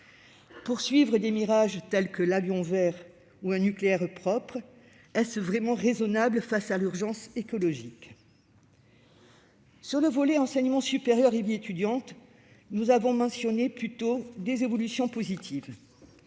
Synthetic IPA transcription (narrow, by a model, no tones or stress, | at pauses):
puʁsɥivʁəd̪emiʁaʒt̪ɛlkəlavjɔ̃vɛʁ | uɛ̃nykleɛʁpχɔpχ | ɛsvʁɛmɑ̃ʁezɔnabləfasalyʁʒɑ̃sekɔlɔʒik | syʁləvɔlɛɑ̃sɛɲəmɑ̃sypeʁjœʁeviet̪yd̪jɑ̃t̪ | nuzavɔ̃mɑ̃sjɔneplyt̪od̪ezevɔlysjɔ̃pozit̪ʰiv